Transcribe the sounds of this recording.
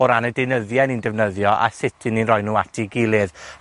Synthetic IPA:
ɔɾanədenəðjɛnindɛvnəðjɔʔa̰sɪtʰɨninrɔjnuːatʰiɡɪlˠɨð

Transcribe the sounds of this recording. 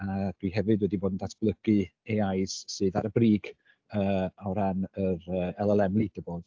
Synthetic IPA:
ad̥wiɦɛvɨdwɛdiboːdn̩datʰb̥lˠəɡ̥ɨɛajssɨːðaɾəbriːɡ | əːɔɾanəɾəːɛlˠəlˠɛmlˠid̥əboːð

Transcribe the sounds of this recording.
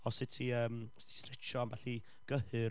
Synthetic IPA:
ɔsɪtʰiəːmstʰi̥strɛt͡ʃɔanvɛɬi | ɡ̥əhɨ

